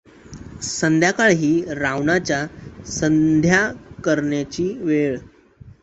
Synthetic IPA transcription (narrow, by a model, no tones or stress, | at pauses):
sənd̪ʱjakaɭɦiːɾaʋnat͡ɕjasənd̪ʱjakəɾɳjat͡ɕiːʋeɭ